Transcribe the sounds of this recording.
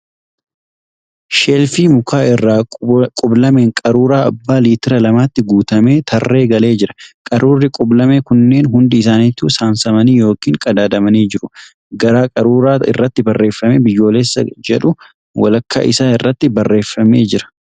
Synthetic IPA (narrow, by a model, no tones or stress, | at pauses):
ʃeːlfiːmʊkaːɪrːaːkʼʊblɐme̞ːŋkʼɐɾuːɾaːɐbːaːliːt̪ɪɾɐlɐmaːt̪ːɪɡuːt̪ɐme̞ːt̪ʰɐrːe̞ːɡɐle̞ːd͡ʒɪɾɐ̥kʼɐɾuːrːɪkʼʊblɐmeːkʊnːe̞ːnɦʊnd̪ɪɪs̬aːnit̪ːuːsaːnsɐmɐniːjo̞ːkiːŋkʼɐd̪aːd̪ɐmɐniːd͡ʒɪɾʊ | ɡɐɾaːkʼɐɾuːɾaːɪ̰rːɐt̪ːɪbɐrːe̞ːfːɐmebɪjːo̞ːleːsːɐ̰d͡ʒɛᶑʊ | wɐ̰lɐkːɐ̰ʔɪsaːɪrːɐt̪ːɪbɐrːe̞ːfːɐme̞ːd͡ʒɪɾɐ̥